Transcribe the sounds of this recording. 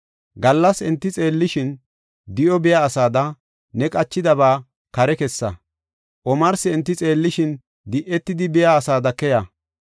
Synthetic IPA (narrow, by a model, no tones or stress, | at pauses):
ɡɐlːɐsɛnt̪ːɪt͡sʼe̞ːlːɪʃɪn | d̪ɪʔɔbɪjaːsaːd̪ɐ | nɛkʼɐt͡ʃːɪd̪ɐβaː | kɐɾɛkɛsːɐ | ʔɔmɐɾsɪɛnt̪ːɪt͡sʼe̞ːlːɪʃɪn | d̪ɪʔɛt̪ːɪd̪ɪbɪjaːsaːd̪ɐkɛjɐ